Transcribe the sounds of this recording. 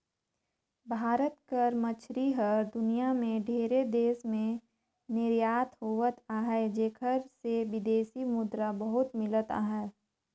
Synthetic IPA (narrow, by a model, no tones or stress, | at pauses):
bʱaːɾət̪kəɾmət͡ʃʰɾiɦəɾd̪ʊnijamẽɖʱeːɾed̪eːsmẽ | nɪɾjaːt̪ʰɦoːʋət̪aːɦɛd͡ʒeːkʰəɾseʋɪd̪eːsimʊd̪ɾabɐɦʊt̪mɪlət̪a̰ːɦɛː